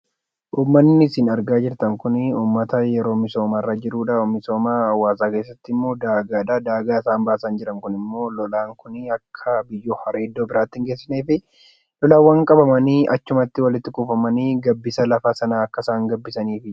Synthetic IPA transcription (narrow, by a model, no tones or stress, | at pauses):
ʔuːmːɐnːɪsɪnɐɾɡaːd͡ʒɪɾt̪ɐŋkʊnɪuːmːɐt̪ɐjɛɾo̞ːmɪso̞ːmaːrːaːd͡ʒɪɾuːᶑɐmɪso̞ːmaːɐwːaːsaːke̞ːs̬ːɐt̪ːɪɪmːo̞ːd̪aːɡaːd̪aːd̪aːɡaːɪsaːmbaːsɐnd͡ʒɪɾɐŋkʊnɪmːo̞ːlɔlaːŋkʊnɪɐkʰːɐbɪjːoːhɐɾeːd̪ːo̞ːbɪɾaːt̪ːɪŋɡeːsːɪneːfɪ | lɔlaːwːɐŋkʼɐbɐmɐniːʔɐt͡ʃːʊmɐt̪ːɪwɐlɪt̪ːɪkufɐmɐniːɡɐbːɪsɐlɐfaːsɐnaːɐkːɐsaːŋɡɐbːɪsɐniːfɪ